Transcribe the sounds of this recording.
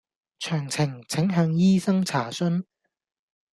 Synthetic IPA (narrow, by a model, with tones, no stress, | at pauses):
t͡ʃʰœː˨˩ŋt͡sʰɪ˨˩ŋt͡sʰɪ˨˥ŋɦœː˨˥ŋjiː˥sɐ˥ŋt͡sʰaː˨˩sɵ˥n